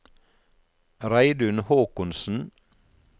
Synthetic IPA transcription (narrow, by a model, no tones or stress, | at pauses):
ɾæɪd̪ʉnhoːkʊnsn̩